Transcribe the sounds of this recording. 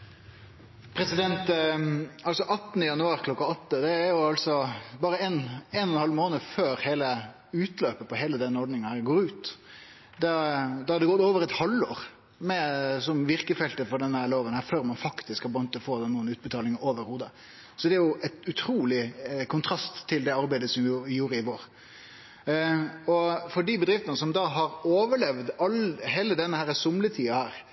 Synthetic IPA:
pʰɾɛsɪd̪ɛnt̪ | ɑlsɔʔɑt̪ːnəjɑnʉɑːɾkʰlɔkːɑɔt̪ːəd̪ɛæːjʊɑlsɔbɑːɾəɛnɛnɔnhɑlmoːnəføːɾheːlə | ʉːt̪løːpəpʰɔɦeːləd̪ɛnɔɾɖɳɪŋənæɾɡoːɾʉːt̪ | d̪ɛd̪ɑɑd̪ɛɡɔt̪oːʋəɾɛt̪hɑlːoːɾ | mɛsɔmʋɪɾkəfɛlt̪əfɔɾɖɛnːəhæːɾloːʋənhæːɾføːɾmɑnfɑkt̪ɪskhɑb̪ɑnt̪ʰːɔfoːd̪ɛnuːənʉːt̪bət̪ʰɑːlɪŋəɾoːʋəɾhuːd̪ə | sɔd̪ɛæɾjʊɛt̪ʉt̪ʰɾuːlɪkʰʊnt̪ʰɾɑst̪ʰːɪld̪ɛɑɾbæɪd̪əsɔmjʊɪjuːɾəɪʋoːɾ | ɔfɔɖibəd̪ɾɪft̪ənəsɔmd̪ɑɦɑɾoːʋəɭɛʋd̪ɑlːheːləd̪ɛnːəhæːɾəsʊmlət̪ʰiːɑhæːɾ

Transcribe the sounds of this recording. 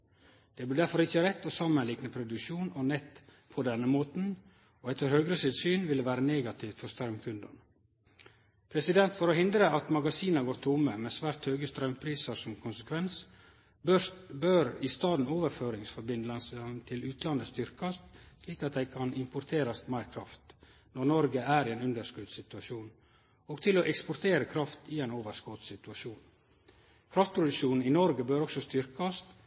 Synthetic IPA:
d̪̥ɛːblɪːdæɾfɔɾɪçəɾɛt̪ːɔsɑmənlɪknəpʰɾʊd̪ʉkʃuːnɔnɛt̪ | pʰɔd̪ɛnːəmoːt̪n̩ | oːɛt̪ːəɾhøːɡɾəsɪld̪syːnʋɪlːəʋæːɾəneːɡɑt̪ʰɪʋt̪fɔɾst̪ɾɑʉmkʰʉnd̪ɑ̰n | pʰɾɛsɪd̪ɛnt̪fɔɾohɪnd̪ɾəɑt̪mɑɡɑsiːnəɡoːɾt̪ʰʊmːəmɛːsʋæːɾt̪høːɡəst̪ɾœʉmpʰɾiːsəɾsɔmkʰʊnsəkʰʋɛns | bbøɾɪst̪ɑːd̪n̩oːʋəɾføːɾɪŋsfɔɾbɪnd̪lɑsənt̪ʰɪlʉːt̪lɑnd̪əst̪ʏɾkɑst̪liːkɑt̪̚d̪æɪkʰɑnɪmpʊɾt̪ʰeːɾɑst̪mæɪɾkʰɾɑft̪ | nɔɾnɔɾɡəæːɾɪeːnʉnd̪əɾʂkʉd̪sɪt̪ʉɑʃuːn | oːɡt̪ʰɪloːʔɛkspʊɾt̪ʰeːɾəkʰɾɑft̪ɪɛɪnoːʋəɾskoːt̪sɪt̪ʉɑʃuːn | kʰɾɑft̪̚pʰɾʊd̪ʉʃuːnn̩ɪnɔɾɡəbøːɾɔksɔst̪ʏɾkɑst̪

